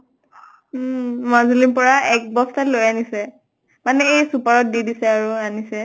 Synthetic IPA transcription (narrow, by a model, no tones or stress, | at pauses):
mazulipɔɹaɛk̚bɔstatlojanisɛ | manɛejsupaɹɔt̚didisɛaɹuanisɛ